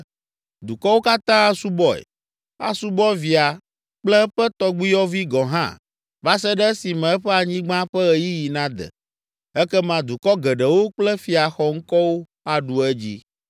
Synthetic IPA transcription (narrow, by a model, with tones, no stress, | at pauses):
d̪u˨kɔ˦wo˦ka˦t̪ã˦a˦su˦bɔ˦ɛ̰˨ | a̰˨su˦bɔ˦vi˨a˨ | k͡plɛ˦ɸɛ˦t̪ɔ˦ɡ͡bi˦jɔ˦vi˦ɡɔ̃˨ɦã̰˦ | va˦sɛ˦ɖɛ˦si˨mɛ̃˨ɛ˦ɸɛ˦a˨ɲĩ˦ɡ͡bã˦ɸɛ˦ɣɛ˨ji˦ji˨nã˦d̪ɛ̰˨ | ɛ˦kɛ˦mã˨d̪u˨kɔ˦ɡɛ˨ɖɛ˨wo˦k͡plɛ˦fi˨a˨xɔ˨ŋ̩˦kɔ˦wo˦ | a˨ɖu˨ɛ˦d͡ʑḭ˦